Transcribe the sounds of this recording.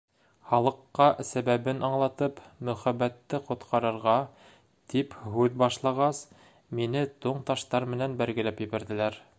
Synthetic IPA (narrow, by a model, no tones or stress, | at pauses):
χɑlˠɤ̆qːɑsæβæβɘnʔɑɴlˠɑt̪ɤpmɵ̆χæbːæt̪ːɘqŏt̪qʰɑɾɤ̆ɾʁɑ | t̪iphʉðbɑʃlˠɑʁɑs | minɘt̪uɴt̪ɑʃt̪ɑɾmɘ̆nænbæɾɡɘ̆læpjɘ̆βæ̆ɾðɘ̆læɾ